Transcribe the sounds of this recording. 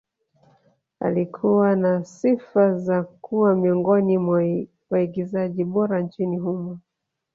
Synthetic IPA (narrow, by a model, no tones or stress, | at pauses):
a̰likʰuwanasifazakuwamiɔŋɡɔnim | waiɡizaʄiɓɔɾant͡ʃinihumɔ